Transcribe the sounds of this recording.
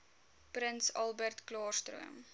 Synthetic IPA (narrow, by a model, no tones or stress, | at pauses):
pɾənsɐlˠbərtklɑːrstrṵə̰m